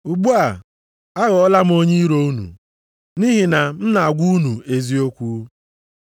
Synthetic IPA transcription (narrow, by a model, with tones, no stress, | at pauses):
u˨ɡ͡bu˦a˨ | a˦ɣɔ˨ɔ˦la˦m̩˦o˦ɲi˦ɾo˦u˦nṵ˨ | ni˦ɦi˨na˨m̩˦na˨a˨ɡʷu˦u˦nu˨e˨zi˦o˦kʷu˦